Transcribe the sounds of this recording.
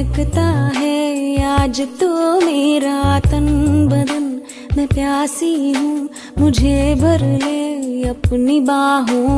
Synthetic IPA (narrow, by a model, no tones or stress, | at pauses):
ɐkt̪aɦɛaːd͡ʒt̪omeɾat̪ənbɐd̪ən | mɛ̃pjaːsiɦũː | mʊd͡ʒʱebʱɐɾleɐpnibaːɦũː